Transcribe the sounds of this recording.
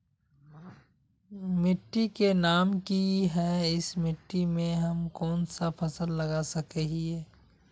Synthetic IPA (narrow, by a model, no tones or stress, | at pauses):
mɪʈːikenaːmkiɦɛɪsmɪʈːimẽɦɐmkɔːnsapʰɐsəlːɐɡasɐkeɦiɛː